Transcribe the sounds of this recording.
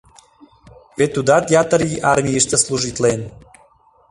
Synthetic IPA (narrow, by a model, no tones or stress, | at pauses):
vʲet̪ːud̪at̪jat̪əɾiʔarmʲijiʃt̪əslˠuʒit̪len